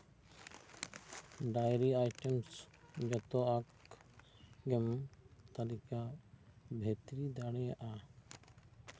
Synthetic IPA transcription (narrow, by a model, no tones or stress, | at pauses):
ɖajɾiajʈɛms | d͡ʒɔt̪ɔak | ɡɛmt̪alika | bʱɛt̪ɾid̪aɽɛjaʔa